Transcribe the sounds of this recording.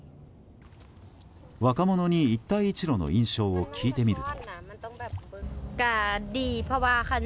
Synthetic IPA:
βakamo̞no̞ɲ̟iit̪ːaiːt͡ɕiɾo̞no̰ĩɰ̃ɕo̞ːokʲʰiːt̪e̞mʲiɾɯ̟t̪o̥̰ | kadiːpʰɔwakan

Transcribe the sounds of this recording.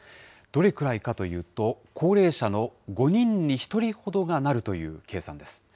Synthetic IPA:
d̪̥o̞ɾe̞kɯ̟ɾaikat̪o̞jɯ̟ːt̪o̞kʰo̞ːɾe̞ːɕano̞ɡo̞ɲ̟ĩɲ̟ːiçi̥t̪o̞ɾʲiho̞d̪o̞ɡanaɾɯ̟t̪o̞jɯ̟̰ːke̞ːsã̰nd̪e̞sɨ̥

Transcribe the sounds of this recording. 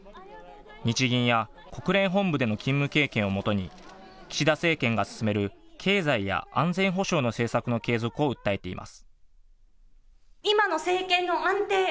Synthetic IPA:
ɲ̟it͡ɕiɡʲĩɰ̃ja | ko̞kɯ̟ɾẽ̞ɰ̃ɦõ̞mbɯ̟d̪e̞no̞kʲĩmːɯ̟ke̞ːkẽ̞ɰ̃o̞mo̞t̪o̞ɲ̟i | kʲi̥ɕid̪ase̞ːkẽ̞ŋɡasɨ̥sɨme̞ɾɯ̟kʰe̞ːzaija̰ʔã̰nd͡zẽ̞ɰ̃ɦo̞ɕo̞ːno̞se̞ːsakɯ̟no̞ke̞ːzo̞kɯ̟o̞ɯ̟t̪ːae̞t̪e̞ḭmʔa̰sɨ̥ | imano̞se̞ːkẽ̞nːo̞ãnt̪e̞ː

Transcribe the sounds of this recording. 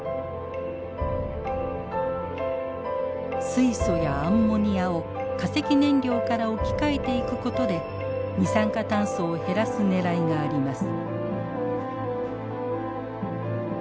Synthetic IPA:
sɨiso̞jãːmːo̞ɲ̟iao̞ | kase̞kʲinẽ̞ɲɾʲo̞ːkaɾao̞kʲi̥kae̞t̪e̞ikɯ̟ko̞t̪o̞d̪e̞ | ɲisãŋkat̪ãɰ̃so̞ːhe̞ɾasɨne̞ɾaiɡaːɾʲimasɨ̥

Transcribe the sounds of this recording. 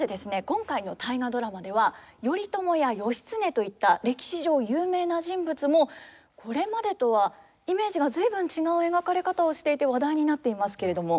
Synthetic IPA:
d̪e̞d̪e̞sɨne̞kõ̞ŋkaino̞t̪aiɡad̪o̞ɾamad̪e̞β̞ajo̞ɾʲit̪o̞mo̞jajo̞ɕi̥t͡sɨne̞t̪o̞it̪ːaɾe̞kʲi̥ɕiʑo̞ːjɯːme̞ːnaʑĩmbɯ̟t͡sɨmo̞ | kʰo̞ɾe̞mad̪e̞t̪o̞βa | ime̞ːʑiɡazɨibɯ̟̃ɲ̟t͡ɕiɡaɯ̟e̞ɡakaɾe̞kat̪ao̞ɕi̥t̪e̞it̪e̞βad̪aiɲ̟inat̪ːe̞imasɨ̥ke̞ɾe̞d̪o̞mo̞

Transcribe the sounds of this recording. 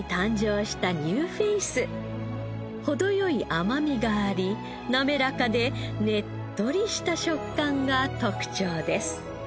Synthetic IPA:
t̪ãɲ̟d͡ʑo̞ːɕi̥t̪aɲɯːɸeisɨ | ho̞d̪o̞jo̞iʔamamʲiɡaːɾʲi | name̞ɾakad̪e̞ | ne̞t̪ːo̞ɾʲiɕi̥t̪aɕo̞kːãŋɡat̪o̞kɯ̟̥t͡ɕoːd̪e̞sɨ̥

